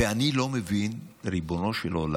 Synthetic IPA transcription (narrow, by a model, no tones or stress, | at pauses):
eanilo̞mevinɾibono̞ʃelola